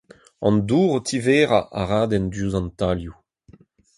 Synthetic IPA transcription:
ɑ̰̃nd̪uːʁot̪ʰiveːʁaʔa̰ʁaːd̪ɛnd̪uzɑ̃nt̪alju

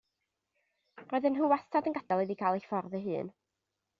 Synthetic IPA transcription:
roːðənɦuwastʰadənɡad̥alˠidikʰaːlˠefɔrðəɦɨ̰ːn

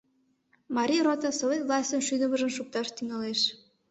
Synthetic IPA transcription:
mɑɾʲijɾot̪əsovet̪vlˠɑsʲt̪ənʃyd̪əmə̆ʒə̆mʃuk̚t̪ɑʃt̪yŋɑleʃ

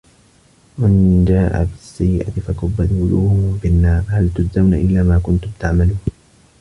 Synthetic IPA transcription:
mand͡ʒaːʔa̰bɪsːajɪʔa̰t̪ɪfakʊbad̪ʊluːhʊʊbɪnːɑːɾˤhalt̪ʊzawnaʔɪlːaːmaːkʊnt̪ʊmt̪aʕmaluːn

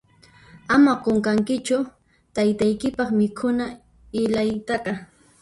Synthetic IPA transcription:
amaqoŋkaŋkɪt͡ʃʊ | t̪ajt̪ajkɪpɑχmɪkʰʊna | ɪlajt̪ɑɢɑ

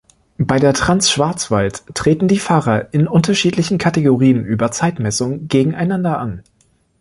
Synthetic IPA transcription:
b̥aɪdeːɐtʁ̥ansʃv̥aɐt͡sv̥altʁ̥eːtn̩diːfaːʁɐʔɪnʔʊntɐʃiːtlɪçn̩kʰateɡoʁiːənʔyːbɐt͡saɪtmɛsʊŋɡeːɡŋ̩ʔaɪnandɐʔan

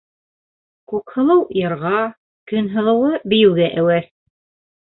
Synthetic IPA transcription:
kʉkhɤ̆lˠɤwjɤ̆ɾʁɑ | kɵ̆nɦɤ̆lˠɤ̆wɤbɘ̆jɘ̆wɡæʔæwæɾ

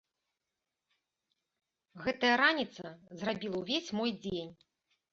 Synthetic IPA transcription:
ɣɛt̪ɐjɐɾanʲit̪sɐzrabʲilˠɐwvʲesʲmɔjd͡zʲenʲ

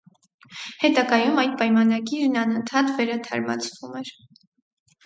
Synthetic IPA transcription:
hɛt̪ɑɡɑjumɑjt̪̚pɑjmɑnɑɡiɾnɑnənt̪ʰɑt̪vɛɾɑt̪ʰɑ̰ɾmɑ̰t͡sʰvumɛɾ

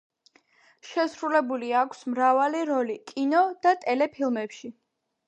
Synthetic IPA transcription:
ʃɛsɾulɛbuliakʰsmɾavaliɾɔlikʼinɔd̪̥at̪ʼɛlɛpʰilˠmɛpʃi

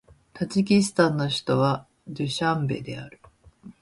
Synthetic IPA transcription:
t̪ad͡ʑik̬ʲisɨ̥t̪ãnːo̞çi̥t̪o̞βa | dɯɕãmbe̞̰d̪e̞̰a̰ɾɯ̟

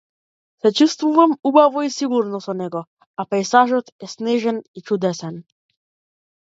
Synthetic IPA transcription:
sɛt͡ʃust̪vuvamubavɔisiɡuɾnɔsɔnɛɡɔ | apɛjsaʒɔt̪ɛsnɛʒɛnit͡ʃud̪ɛsɛn

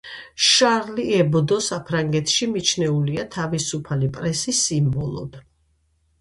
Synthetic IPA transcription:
ʃaɾliɛbd̪ɔsapʰɾaŋɡɛt̪ʰʃimit͡ʃʰnɛuliat̪ʰavisupʰalipʼɾɛsisimbɔlˠɔ̰d̪̥

